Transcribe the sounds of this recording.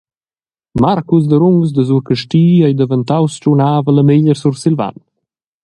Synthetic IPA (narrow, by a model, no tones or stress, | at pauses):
maɾkus̬d̪əɾuŋɡsd̪əzuɾkəʃtiːajd̪əvənt̪awst͡ʃɾunaːvələmeʎəɾsuɾsilva̰n